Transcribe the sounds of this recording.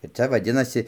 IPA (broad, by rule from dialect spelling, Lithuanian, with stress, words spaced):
ɪr ˈt͡sʲɛ ʋɐˈdʲɪnɐsʲɪ